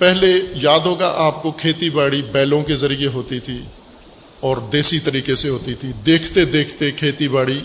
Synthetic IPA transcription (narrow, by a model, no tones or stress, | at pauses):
pɛɦlejaːd̪ɦoːɡa̰ʔaːp̚kokʰeːt̪ibaːɽibɛːlõkezɐɾijeɦoːt̪it̪ʰi | ɔːɾd̪eːsit̪ɐɾiːkeseɦoːt̪it̪ʰid̪eːkʰt̪ed̪eːkʰt̪ekʰeːt̪ibaːɽi